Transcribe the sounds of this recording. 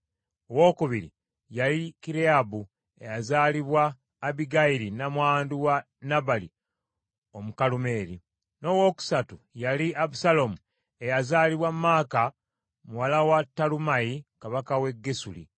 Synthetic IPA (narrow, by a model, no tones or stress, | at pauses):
owo̞ːkuβiɾḭ | jaɾikiɾeabu | e̞jazaːliβwaː | βiɡaiɾinamwaːnduwa | nabali | o̞mukalume̞ːɾi | no̞wo̞ːku̥satujaliaβusalo̞mu | e̞jazaːliβwamːaːka | muwalawatːalumajikaβakawe̞ɡːesulḭ